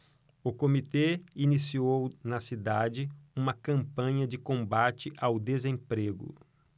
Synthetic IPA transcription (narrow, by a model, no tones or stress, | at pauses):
ʊkomit̪einisiownɐsid̪ad͡ʒɪũmɐkɐ̃mpɐ̃ɲɐd͡ʒɪkõmbat͡ʃɪʔawd̪ezẽpɾeɡʊ̰